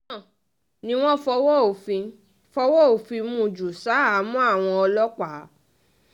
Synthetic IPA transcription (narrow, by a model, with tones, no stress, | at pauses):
nĩ˦w̃ɔ̃˦fɔ˧wɔ˦˨fi˧ | fɔ˧˦wɔ˦o˨fĩ˧mũ˧˨d͡ʒu˨sa˨˦a˨˦mũ˦a˦˨w̃ɔ̃˧ɔ˧lɔ˦k͡pa˨˦